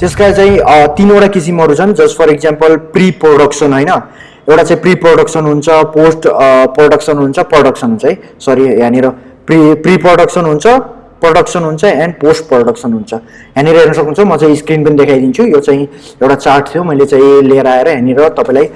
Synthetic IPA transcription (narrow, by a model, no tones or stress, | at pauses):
t̪eskat͡saĩt̪inoɽakisimɦʌɾut͡sʰʌnd͡zʌspʰʌɾekd͡zampʌlpriproɽʌksʌnɦojnʌ | ewʈat͡saĩpriproɽʌksʌnɦunt͡sʰʌposʈproɽʌksʌnɦunt͡sʰʌproɽʌksʌnɦunt͡sʌɦĩ | sʌɾiɦaneɾʌ | pripriproɽʌksʌnɦunt͡sʰʌ | proɽʌksʌnɦunt͡sʰʌɛnposʈ̚proɽʌksʌnɦunt͡sʰʌ | ɦaneɾʌɦernʌsʌkunt͡sʰʌmʌt͡saĩskrinpʌnid̪ekʰajd̪int͡sʰujot͡saĩ | ewʈat͡sarʈt̪ʰjomʌjlet͡saĩleeɾʌaeɾʌɦjaniɾʌt̪ʌpãĩlaj